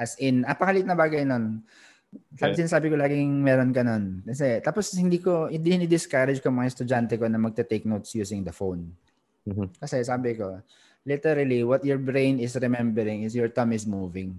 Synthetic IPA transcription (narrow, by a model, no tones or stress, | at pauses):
ʔɐsɪnʔɐŋpɐhɐlɪt̪nɐbaːɡɐjnon | laːɡɪsɪnaːsaːbɪkolaːɡɪŋmɛːɾonkɐno̞nkɐs̬ɛt̪aːposhɪnd̪iːkohɪnd̪ihɪnid̪ɪskaɾɐd͡ʒkomɐŋast̪ʊd͡ʒant̪ɛkonɐmɐɡ̚t̪ɛt̪ɛk̚nowt̪sjuːsɪŋd̪ɐfown | kɐsɛsaːbɪko̞ | lɪt̪ɛɾɐliwɔt̪̚jɔɹbɾẽjnɪsɾɛmɛmbɛɾɪŋɪs̬jɔɹt̪ɐmɪsmuːvɪŋ